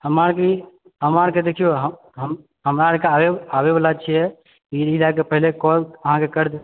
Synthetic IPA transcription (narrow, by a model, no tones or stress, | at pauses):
həmaɾki | ɦəmaɾked̪ekʰijoɦə | ɦəm | ɦəmɾaɾkaeabebalat͡ʃʰijɛ | iilakepəɦilekɔləɦãkekəɾd̪